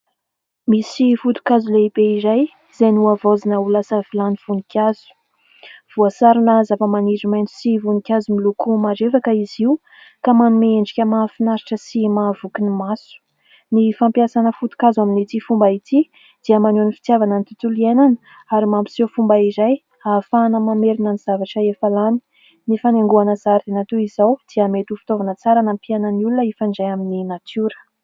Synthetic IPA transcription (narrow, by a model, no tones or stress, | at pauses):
misifut̪u̥kazuleibeizaj | z̥enuavozinəulasəvilaniv̥unikʰʲaz̥u̥ | v̥uasaɾunazavamaniɖ͡ʐimajnt͡s̪i̥sivunikʲazumilukumaɖ͡ʐevakəiziu | kamanumeeɳɖ͡ʐikʲəmafinaɾiʈ͡ʂəsimavukinimasu̥ | nifampiasanəfut̪u̥kazaminit̪ifumbait̪i | d̪̥iəmanonifi̥t̪javanənit̪ut̪ulienan | aɾimampi̥sefumbaizaj | afanəmameɾinəniz̥avaʈ͡ʂəefalani̥ | nifanaŋɡuanəzaɾd̪enat̪uizawd̪̥iamet̪ufi̥t̪ovanət͡saɾanampianənulunəifaɳɖ͡ʐajamininat̪ʰuɾə̥